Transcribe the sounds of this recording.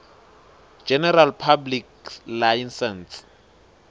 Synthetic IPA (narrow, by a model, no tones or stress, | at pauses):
d͡ʒɛnɛralpʰabliklajnsɛns